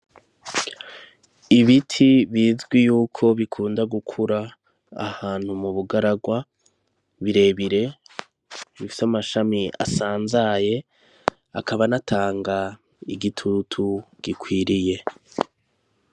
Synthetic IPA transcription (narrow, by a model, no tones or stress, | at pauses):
iβitʰiβiːzɡwijuːkʰo̞βikʰuːndaɡukʰuɾa̰ː | haːn̥humuβuɡaɾaɡwa | βiɾe̞βiɾe̞ | βifi̥samaʃamiʔa̰saːnzaje̞ | akʰaβanatʰaːŋɡa | iɡitʰutʰuɡ̥ikwiːɾije̞